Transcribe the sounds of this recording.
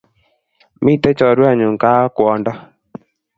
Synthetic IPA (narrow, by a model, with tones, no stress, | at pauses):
mi˦˨tɛ˦t͡ʃɔ˨ɾwa˦˨ɲu˨ŋ˨ka˦kwɔ˨ndɔ˦